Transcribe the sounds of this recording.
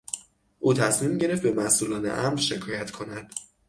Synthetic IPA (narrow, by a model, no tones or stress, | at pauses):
ʔuːt̪ʰæsmiːmɟe̞ɾeft̪̚be̞mæsʔuːlɒːnḛʔæmɾʃe̞kʰɒːjæt̪kʰo̞næd̪̥